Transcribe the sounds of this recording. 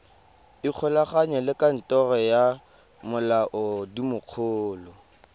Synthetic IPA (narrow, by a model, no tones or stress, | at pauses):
ik͡xʰʊlaχaɲɔlɪkʼan̩tʼɔrɔja | mʊlaʔʊdimʊq͡χʰʊːlɔ